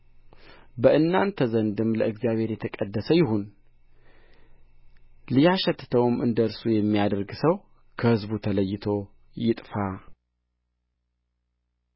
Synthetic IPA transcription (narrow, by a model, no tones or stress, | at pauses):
bəʔɨnːant̪ʰəzənd̪ɨmləʔɨɡzijaβhe̞ɾjɛt̪ʰəkʼəd̪ːəsəjɪɦun | lijaʃɛt̪ːɨt̪ʰəwɨmʔɨnd̪əɨɾsujɛmːijad̪əɾɡsəw | kʰəhɨzbut̪ʰələjːɪt̪ʰo̞ | jɪt̪ʼfa